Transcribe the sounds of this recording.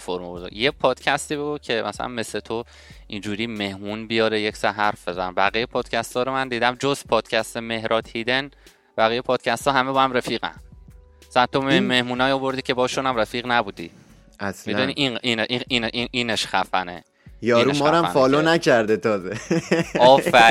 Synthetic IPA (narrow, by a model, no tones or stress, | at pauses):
foɾmoboɾzo̰jepʰɒːd̪̥cʰæst̪iːbeɡucʰe̞mæ̰sæ̰læ̰nme̞slet̪ʰo | ind͡ʒuːɾiːme̞hmuːnbijɒːɾejecsæɦæɾfb̥e̞zænbæɣijepʰɒːd̪̥cʰæst̪ɒːɾomænd̪iːd̪æmd͡ʒozpʰɒːd̪̥cʰæst̪eme̞hɾʔɒːt̪hiːd̪e̞n | b̥æɣiːjepʰɒːd̪̥cʰæst̪ɒːɦæmebɒːhæmɾæfiːɣæ̰n | sænt̪omeme̞hmuːnɒːjiobo̞ɾd̪iːcʰe̞bɒːʃunæmɾæfiːɣnæbuːd̪ḭː | ʔæslmid̪uniʔiʔiːneʔiʔinʔiʔiːneʃxæfænḛ | jɒːɾueʃmɒːɾæm̰nfɒːlonæcʰæɾd̪et̪ʰɒːzeɒːfæ